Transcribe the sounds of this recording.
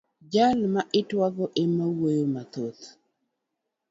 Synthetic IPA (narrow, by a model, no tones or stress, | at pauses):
d͡ʒalmaʔɪtwaɡɔʔɪmawojomat̪ot̪